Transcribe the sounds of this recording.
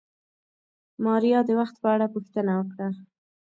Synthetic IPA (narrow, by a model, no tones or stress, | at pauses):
mɑɾijɑd̪əwaxt̪̚pəaɽapuxt̪ənawəkɽa